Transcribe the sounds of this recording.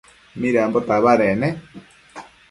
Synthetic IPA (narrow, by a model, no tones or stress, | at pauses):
miɾaambot̪aβaɾene